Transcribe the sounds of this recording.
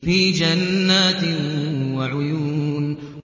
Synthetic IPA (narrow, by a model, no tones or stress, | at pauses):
fiːd͡ʒanːaːt̪waʕʊjuːn